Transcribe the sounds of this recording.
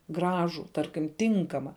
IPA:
ˈɡrɑːʒuː ˈtɐrʲkʲɪm ˈtʲɪŋkɐmɐ

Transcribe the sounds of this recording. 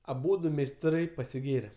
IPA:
ɐˈbuːdʊ mʲɛɪsˈtrɐɪ pɐsʲɪˈɡʲeːrʲɛ

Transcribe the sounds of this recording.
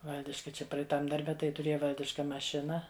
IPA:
ˈʋɐlʲdʲɪʃkɐ ˈt͡ʃʲɛ prɐɛɪˈtɐm dɐrʲˈbʲɛ tɐɪ tʊˈrʲeːjɛ ˈʋɐlʲdʲɪʃkɐ mɐˈʃʲɪnɐ

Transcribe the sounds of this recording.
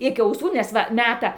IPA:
ˈɪkʲɪ ɐʊˈsuː nʲɛs ˈʋɐ ˈmʲæːtɐ

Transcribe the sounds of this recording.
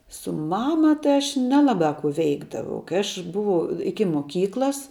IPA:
sʊ ˈmɑːmɐ ˈtɐɪ ɐʃ ˈnʲæːlˠɐbɑː kuː ˈʋʲɛɪɡdɐʋɐʊ kɐɪ ˈɐʃ ˈbʊʋɐʊ ˈɪkʲɪ moːˈkʲiːklˠɐs

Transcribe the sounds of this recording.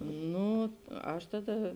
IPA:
ˈnuː ˈɐʃ ˈtɑːˌdɐ

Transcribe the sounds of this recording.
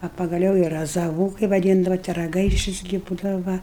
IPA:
ɐ pɐɡɐˈlʲɛʊ ɪ rɐzɐˈʋuː kɐɪ ʋɐˈdʲiːndɐʋɐ tʲɪ rɐɡɐɪˈʃʲɪs ɡʲɪ ˈbuːdɐʋɐ ˈʋɐ

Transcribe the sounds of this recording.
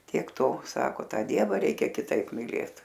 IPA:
tʲiɛk ˈtoː ˈsɑːkoː ˈtɑː ˈdʲiɛʋɐ ˈrʲɛɪkʲɛ kʲɪˈtɐɪp mʲɪˈlʲeːt

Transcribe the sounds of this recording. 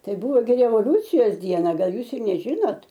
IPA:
ˈtɐɪ ˈbuːʋoː ɡʲɪ rʲɛʋoːˈlʲuːt͡sʲɪjoːs ˈdʲiɛnɐ ˈɡɐlˠ ˈjuːs ɪr nʲɛˈʒʲɪnoːt

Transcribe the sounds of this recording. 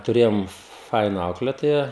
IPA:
tʊˈrʲeːjoːm ˈfɐɪnɐ ˈɐʊklʲeːtoːjɛ

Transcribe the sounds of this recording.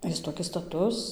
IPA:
ˈjɪs toːˈkʲɪs stɐˈtʊs

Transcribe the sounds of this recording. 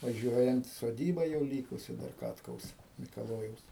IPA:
ʋɐˈʒʲuɔjɛnt soːˈdʲiːbɐ jɛʊ ˈlʲiːkʊsʲɪ dɐr ˈkɑːtkɐʊs mʲɪkɐˈlˠoːjɛʊs

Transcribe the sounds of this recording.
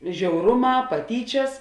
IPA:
ʒʲɛʊˈrʊˌmɑː pɐˈtʲiːt͡ʃʲɛs

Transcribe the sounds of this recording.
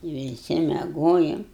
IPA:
ʋʲɪˈsʲɪ mʲɛˈɡoːjʊm

